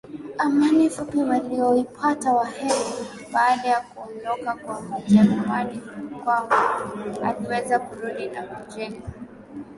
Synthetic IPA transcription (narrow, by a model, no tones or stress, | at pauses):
amanifupiwaliɔipʰatawahɛɾi | ɓaːɗajakuɔndɔkakwahutanawaɗikwambaa̰liwɛzakuɾuɗinahud͡ʒɛna